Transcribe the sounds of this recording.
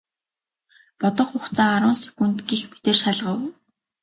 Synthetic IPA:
pɔt̪ɞ̆χʊχt͡saːaɾʊ̆ːnsi̥kunt̪ɡiːxpi̥t̪eːrʃaɮʁə̆w

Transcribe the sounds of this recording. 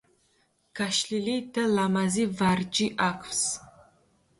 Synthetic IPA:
kʰaʃɬilitʰɐlamazivart͡ʃʼiʔakʷʰʼps

